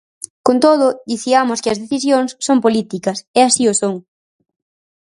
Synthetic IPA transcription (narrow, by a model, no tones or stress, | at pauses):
kont̪oðʊd̪iθiamʊskɪɐzðeθisjoŋsːompolit̪ikɐseasiosoŋ